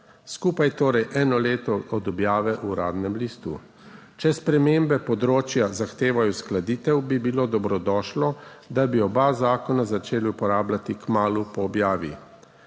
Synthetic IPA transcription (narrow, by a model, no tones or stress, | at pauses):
skuːpajt̪oːɾɛjʔɛːnɔleːt̪ɔɔd̪ɔbjaːʋɛʔuɾa̰ːd̪nɛmliːst̪ṵ | t͡ʃɛspɾɛmeːmbɛpɔd̪ɾoːt͡ʃjazaxt̪eːʋajɔsklad̪iːt̪ɛwbibiloːd̪ɔbɾɔd̪ɔʃlɔd̪abiɔbazaːkɔnazat͡ʃeːlupɔɾaːblat̪ikmaːlupɔːbjaːʋḭ